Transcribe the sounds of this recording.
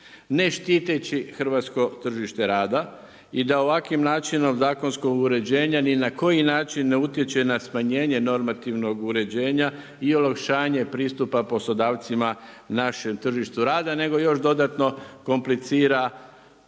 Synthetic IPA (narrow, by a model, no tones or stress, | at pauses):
ne̞ʃt̪iːt̪et͡ɕixr̩ʋaːt̪sko̞t̪r̩ʒiʃt̪e̞ɾaːd̪a | id̪ao̞ʋakʋimnaːt͡ʃino̞mzaːko̞nsko̞ɡuɾe̞d͡ʑe̞ːɲaninako̞jinaːt͡ʃinːeut̪je̞t͡ɕe̞nasmaɲe̞ːɲe̞no̞ɾmat̪iʋno̞ɡuɾe̞d͡ʑe̞ːɲa | io̞lakʃaːɲe̞pɾiːst̪upapo̞slˠo̞d̪aːʋt̪sima | naʃe̞mt̪r̩ʒiʃt̪uɾaːd̪ane̞ɡo̞jo̞ʃd̪o̞d̪at̪no̞ko̞mplit̪siːɾa